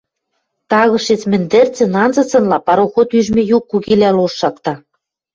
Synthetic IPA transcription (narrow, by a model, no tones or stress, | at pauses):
t̪ɑɣɤ̆ʃet͡smɘ̆nd̪ɘ̆rt͡sɘ̆nɑnzɤ̆t͡sɤ̆nlɑpɑɾoxot̪yʒmĕjukːuɣilæloʃːɑkt̪ɑ